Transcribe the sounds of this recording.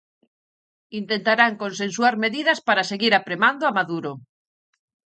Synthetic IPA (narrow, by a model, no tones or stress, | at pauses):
int̪ent̪aɾaŋkõnsẽnsuaɾmeðið̞aspaɾaseɣiɾapɾemand̪oamaðuɾo